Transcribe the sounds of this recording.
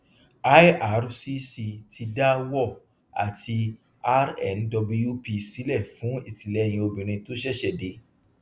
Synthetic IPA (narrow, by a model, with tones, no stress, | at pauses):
a˦ja˨ɾsi˦si˧tʰi˧da˦wɔ˦˨ | a̰˨tʰi˧ | a˦ɾɛ˦˨ndɔ˧blu˧ju˦pi˧si˨˦lɛ˦˨fũ˨˦i˦˨ti˨lɛ˨˦˨j̃ĩ˧o˧bĩ˨ɾ̃ĩ˧to˦ʃ̬ɛ˦˨ʃɛ˦˨de˨˦